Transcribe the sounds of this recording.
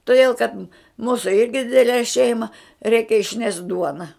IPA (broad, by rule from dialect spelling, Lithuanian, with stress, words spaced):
toːˈdʲeːlˠ kɐt ˈmuːsʊ ˈɪrʲɡʲɪ ˈdʲɪdʲɛlʲɛ ˈʃʲɛɪmɐ ˈrʲɛɪkʲɛ ɪʃʲˈnʲɛʃt ˈduɔnɐ